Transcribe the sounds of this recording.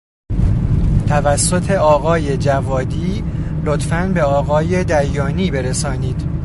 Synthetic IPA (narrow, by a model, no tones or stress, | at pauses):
t̪ʰævæsːo̞t̪ʰe̞ɒːɣɒːje̞d͡ʒævɒːd̪iːlot̪fænbe̞ɒːɣɒːjed̪æɾjɒːniːbe̞ɾesɒːniːd̪̥